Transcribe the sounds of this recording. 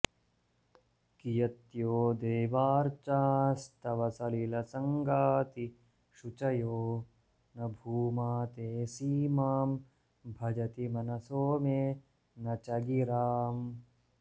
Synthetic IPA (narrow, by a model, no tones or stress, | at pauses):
kijɐt̪joːd̪eːʋaːɾt͡ʃaːst̪ɐʋɐsɐlilɐsɐŋɡaːt̪i | ʃut͡ʃɐjoː | nɐbʱuːmaːt̪eːsiːmaːm | bʱɐd͡ʒɐt̪imɐnɐsoːmeː | nɐt͡ʃɐɡiɾaːm